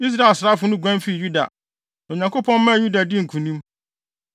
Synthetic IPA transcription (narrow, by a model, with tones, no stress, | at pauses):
i˦s̬ɾa˦e˨lsɾa˦fʊ˨˦nʊ̃˦ɡʷã˦nfi˦˨ju˦da̰˨ | o˨ɲã˨ŋkʰo˦pʰɔ̃˦nmːã˦˨ju˦da˨dɪ˦ŋ̩˨kʰũ˨nĩ˦m